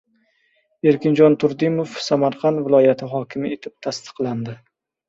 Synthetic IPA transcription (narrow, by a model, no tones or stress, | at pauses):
eɾkʲʰɪnd͡ʒɒnt̪ʰʊɾd̪ɪmofsamaɾqʰɑnt̪vɪlˠɒjat̪ʰɪɦɒkʲʰɪmɪet̪ʰɪp̚t̪ʰast̪ʰɨ̥qlˠand̪ɪ